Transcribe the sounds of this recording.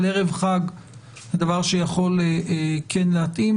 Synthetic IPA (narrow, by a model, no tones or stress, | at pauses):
leʁevχaɡ | zed̪avaʁʃejaχo̞leʔekʰenlehat̪im